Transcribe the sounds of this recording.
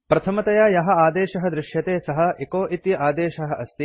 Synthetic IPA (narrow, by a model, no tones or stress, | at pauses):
pɾɐt̪ʰɐmɐt̪ɐjaːjɐɦɐ̆aːd̪eːʃɐɦɐ̆d̪ɾɪʃjɐt̪eːsɐɦɐ̆ekoːʔit̪jɐʔaːd̪eːʃɐɦɐ̆ʔɐst̪i